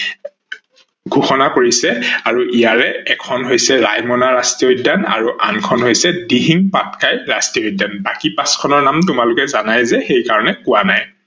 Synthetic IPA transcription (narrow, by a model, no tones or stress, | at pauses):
ɡʱuxɔnakoɹisɛaɹuʔijaɹɛɛkʰɔnɦojsɛɹa̰jmɔnaɹastiojdana̰ɹuʔa̰nkʰɔnɦojsɛdiɦiŋpatkajɹastioodanbakipaskʰɔnɔɹnamtʊmalʊkɛzanajzɛxejkaɹɔnɛkʊanaj